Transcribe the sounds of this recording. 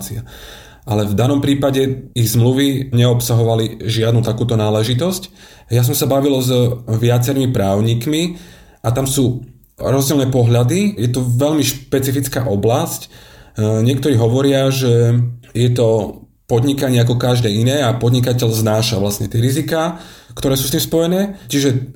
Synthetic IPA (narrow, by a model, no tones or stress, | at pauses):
t͡sia | ʔalɛvd̪anɔmpɾiːpaɟɛiɣzmluʋiɲɛɔpsaɦɔʋaliʒɪad̪nut̪akuːt̪ɔnaːlɛʒit̪ɔsc | jas̬ɔmsabaʋilɔzʋɪat͡sɛɾimipɾaːʊɲikmi | ʔat̪amsuː | ɾɔzɟiɛlnɛːpɔɦʎad̪ijɛt̪ɔʋɛʎmiʃpɛt͡sifit͡ska̰ːʔɔblasc | ɲɪɛk̚t̪ɔɾiːɦɔʋɔɾɪaʒɛjɛt̪ɔ | pɔd̪ɲikaɲɪɛak̬ɔkaʒd̪ɛːinɛːapɔd̪ɲikacɛʎznaːʃaʋlasɲɛt̪ɪɛɾizikaːkt̪ɔɾɛːsuːst̪iːmspɔjɛnɛːt͡ʃiʒɛ